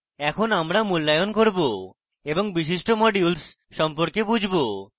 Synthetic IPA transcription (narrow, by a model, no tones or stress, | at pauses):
ɛkʰonamɾamulːajonkoɾbo | eboŋbiʃiʃʈomɔɖiuls | ʃɔmpoɾkebud͡ʑʱbo